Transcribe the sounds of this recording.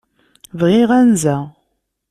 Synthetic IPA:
vʁiʁænzæ

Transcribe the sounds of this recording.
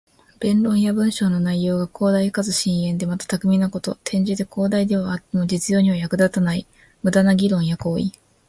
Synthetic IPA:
b̥ẽ̞nɾõ̞ɰ̃jabɯ̟̃ɰ̃ɕo̞ːno̞naijo̞ːɡakʰo̞ːd̪aikazɨɕĩɰ̃ẽ̞nd̪e̞mat̪ḁt̪akɯ̟mʲinako̞t̪o̞̰t̪ʰẽ̞ɲ̟d͡ʑid̪e̞ko̞ːd̪aid̪eβaat̪ːe̞mo̞d͡ʑit͡sɨjo̞ːɲ̟iβajakɯ̟d̪at̪anai | mɯ̟d̪anaɡʲiɾõ̞ɰ̃jako̞ːḭ

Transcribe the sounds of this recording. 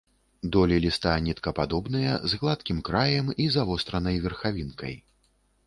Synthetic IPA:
d̪ɔlʲilʲist̪anʲit̪kɐpad̪ɔbnɨjɐzɣlˠat̪kʲimkɾajɛmizavɔst̪ɾɐnɐjvʲɛrxavʲinkɐ̰j

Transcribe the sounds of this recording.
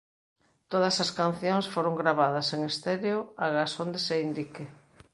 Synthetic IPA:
t̪oð̞ɐsɐskan̟θjoŋsfoɾoŋɡɾaβaðɐseŋest̪eɾjoaɣasond̪eseind̪ike

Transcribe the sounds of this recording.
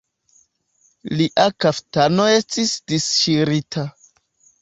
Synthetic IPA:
liʔakaftanoe̞stisd̥isʃiɾitʰa

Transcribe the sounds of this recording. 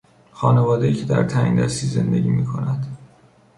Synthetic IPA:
xɒːnevɒːd̪ejiːcʰe̞d̪æ̰ɾt̪ʰæŋd̪æst̪iːze̞nd̪eɟiːmiːkʰo̞næd̪̥

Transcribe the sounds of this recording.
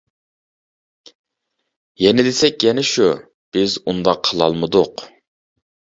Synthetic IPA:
jɛnɪd̪esɛkʲjɛnɪʃu | b̥ɪzund̪ɑqʰːəlˠɑlˠmɨd̪ʊq

